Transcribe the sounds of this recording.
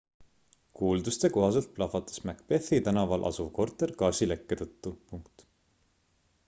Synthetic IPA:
kuːld̪ust̪e̞ko̞ɦɑse̞lt̪̚plɑfɑt̪ːˑɑ̥smækpe̞θit̪ænɑvɑlʔɑ̰suvko̞rt̪ːˑe̞rkɑːsʲilekːe̞t̪ɤt̪ːupuŋkt̪

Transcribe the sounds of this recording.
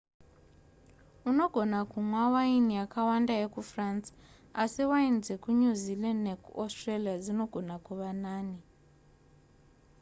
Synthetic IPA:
unoɡʱɔnakumwawainijakʰawandajekufrans | asiwainzekuɲuzilɛndnekuɔstralijad͡zinoɡ̥ʱonakuβanaːni

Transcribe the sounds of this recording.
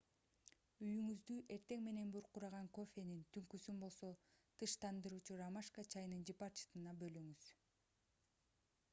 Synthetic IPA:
yjyŋyzd̪yʔe̞ɾt̪e̞ŋme̞ne̞nbuɾquɾɑʁɑŋko̞fʲe̞nint̪ʰyŋkysynbo̞lˠso̞t̪ʰɯʃt̪ʰɑnd̪ɯɾuːt͡ʃuɾamaʃkat͡ʃʰɑjnɯnd͡ʒipaɾt͡ʃi̥t̪ɯnɑbø̞lyŋyz̥

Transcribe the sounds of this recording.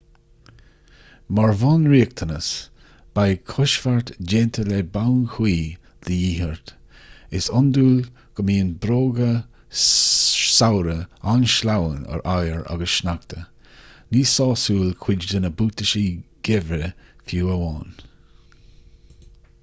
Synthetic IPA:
maɹvɔnɹiːk̚t̪ʰənəs | b̥ajkʰʊʃfaɹt̪d͡ʒeːnt̪ʰəlɛbawnkʰwiː | d̪̥əjiːhəɹt̪ | ɪsʊnd̪uːl | ɡ̥əmiːnbɾoːɡə | sawɾəanʃlawənə̰ɹʔajəɹa̰ɡəsʃnak̚t̪ʰə | niːsɑːsuːlkʰw̥ɪd͡ʒd̪ənəbuːt̪əʃiɡ̥ɛvɾəfjuːəwɑːn

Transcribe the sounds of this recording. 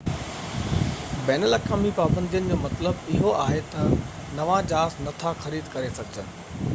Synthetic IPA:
bɛːnəlɐkaːmipaːbə̃nd̪ʱijənɪ̆d͡ʑoːmɐt̪ləbɪɦoaːɦet̪ɐ | nɐʋãd͡ʑaːsnɐt̪ʰaxɐɾiːd̪kɐɾesɐɡʱɪd͡ʑənɪ̆

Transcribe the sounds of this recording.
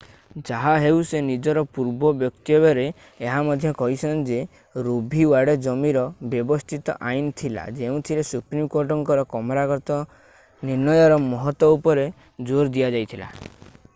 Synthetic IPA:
d͡ʒaɦaɦewsenid͡ʒɔɾɔpuɾbɔbjɔk̚t̪iɔbɔɾeː | ɦamɔd̪ʱjɔkɔɦisʰɔnd͡ʒe | ɾubʱiwaɽed͡ʒɔmiɾɔbjɔbɔst̪ʰit̪ɔ̰ʔajnɔt̪ʰila̰d͡ʒeũt̪ʰilesupɾimkoɾʈɔŋkɔɾɔkɔmɔɾakɔɾt̪ɔ | niɾnɔjɔɾɔmɔɦɔt̪wɔupɔɾe | d͡ʒoɾd̪ijad͡ʒajt̪ʰila̰

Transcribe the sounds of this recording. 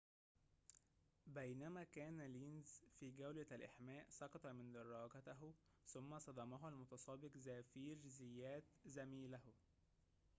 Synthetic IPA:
bæjnæmæːkæːnæliːnzfiːɡæwlælʔaħmæːʔsˤɑqɑt̪ˤɑmɪnd̪ɑrˤːɑːɡæt̪æɦ | sʊmːæsˤɑd̪ɑmɑɦælmʊt̪ɑsˤɑːbɪqzæːfiːɾzɪjːæːt̪zæmiːlæh

